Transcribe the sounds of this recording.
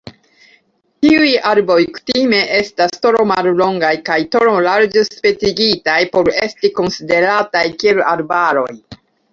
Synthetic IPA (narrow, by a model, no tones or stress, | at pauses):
tiujaɾbo̞jku̥time̞ʔe̞stastoɾo̞mallo̞ŋɡajkajtoɾolaɾd͡ʒespe̞t͡siɡitajpo̞ɾe̞stiko̞nside̞ɾatajkie̞laɾbaɾo̞j